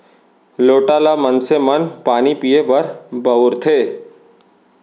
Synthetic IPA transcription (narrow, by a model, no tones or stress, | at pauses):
loːʈalamənsemənpaːnipijebəɾbʱəʊɾt̪ʰeː